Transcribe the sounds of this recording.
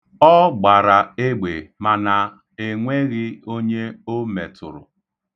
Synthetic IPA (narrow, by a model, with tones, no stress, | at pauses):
ɔ˦ɡ͡ba˨ɾa˨e˦ɡ͡be˨ma˨na˨ | e˨ŋʷe˦ɣɪ˦o˦ɲe˦o˦me˨tʰʊ̰˨ɾʊ̰˨